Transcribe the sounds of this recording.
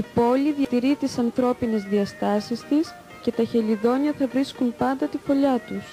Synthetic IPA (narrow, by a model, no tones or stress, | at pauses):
ipo̞liðjɐt̪iɾit̪isɐnθɾo̞pine̞zðiɐst̪ɐsist̪is | ce̞t̪ɐçe̞ʎiðo̞ɲɐθɐvɾiskunpɐnd̪ɐt̪ifo̞ʎɐt̪us